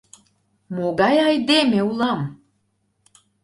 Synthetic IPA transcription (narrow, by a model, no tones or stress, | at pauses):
moɣɑjɑjd̪emʲeulɑm